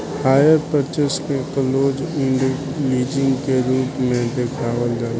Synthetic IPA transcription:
haːjəɾpət͡ʃəskekəloːd͡ʒɪ̃ɳɖəkliːd͡ʒɪ̃ŋɡkeɾuːpmẽd̪eːkʰaːʋəld͡ʒaːl

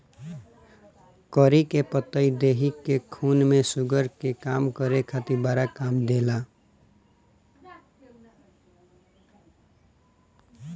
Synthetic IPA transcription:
kɔɾikepət̪əid̪eɦikekʰunmẽsʊɡəɾkekamkəɾekʰat̪iɾbaːɾakamd̪ela

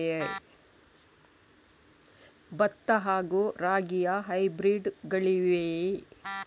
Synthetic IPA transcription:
bɐt̪ːɐɦaːɡuːɾaːɡijɐɦɐjbɾiːɖɡɐɭiʋe

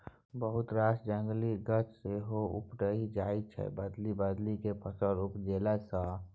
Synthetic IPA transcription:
bəɦʊt̪ɾaːsd͡ʒə̃ŋɡliɡət͡ʃseɦoʊ̰pʈəɦid͡ʒaːit͡ʃʰɛ̰bəd̪libəd̪likepʰəsəɾʊpd͡ʒeːlasa

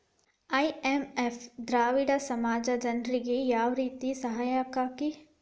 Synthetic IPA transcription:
aːiemefd̪ɾaːʋiɽasɐmaːd͡ʒad͡ʒɐnd̪ɾiɡejaːʋɾiːt̪isɐɦaːjakaki

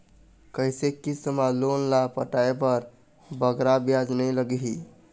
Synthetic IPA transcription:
kəɦisekisəmalonlapəʈaepəɾ | bəɡɾabjad͡ʒnəjləɡiɦi

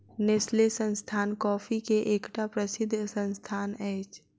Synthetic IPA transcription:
neslesə̃nst̪ʰaːnkɔːfʰikeʔeːkʈapɾəsɪd̪ʱːsə̃nst̪ʰaːnɛːt͡ʃ

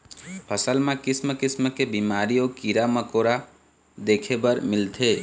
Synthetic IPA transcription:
pʰəsəlmẽkɪsməkɪsməkebimaɾijokiɾaməkoɾa | d̪eːkʰebəɾmɪlt̪ʰe

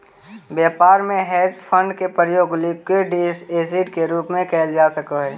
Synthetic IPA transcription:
bjaːpaːɾmẽɦɛːd͡ʒpʰə̃ɳɖkepɾəjoːɡlikeɖiseːzɪʈkeɾuːpmẽkɛːld͡ʒaːsəkəɦɛː

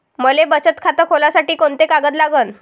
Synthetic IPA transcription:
məlebət͡ɕət̪kʰat̪əkʰolasaʈiːkoɳt̪ekaɡət̪̬laɡəːn

